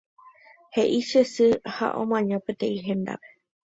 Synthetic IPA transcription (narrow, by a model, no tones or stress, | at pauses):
he̞ʔiʃesɨha̰ʔõ̰mãɲãpet̪ẽĩɦẽ̞nd̪a̰pe̥